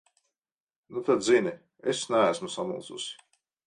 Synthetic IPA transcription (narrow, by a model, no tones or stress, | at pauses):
nut̪ad̪zini | esnææsmusamṵlˠtsṵsɪ̥